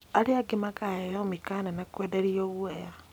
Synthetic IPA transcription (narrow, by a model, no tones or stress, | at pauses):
aɾeaɡimakajejɔmikananakwedeɾioɣweja